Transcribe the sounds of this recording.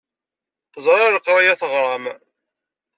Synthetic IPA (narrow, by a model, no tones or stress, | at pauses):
θəzˤɾˤɑɾəqːɾˤajæθəʁɾˤɑm